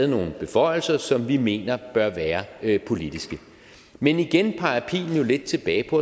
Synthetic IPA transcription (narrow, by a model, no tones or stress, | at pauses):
ð̩ˠno̝ːn̩b̥e̝fɒ̽ɪ̰l̩sɐsɒ̽mʋime̝̰ːnɐb̥ɶɐʋæːɐpʰo̝lid̥isɡ̥ə | meniɡ̥enpʰɑ̈ɪɐpʰḭːn̩jo̝le̝d̥̚t͡sʰe̝b̥ɛ̰ːɪpʰɒ̽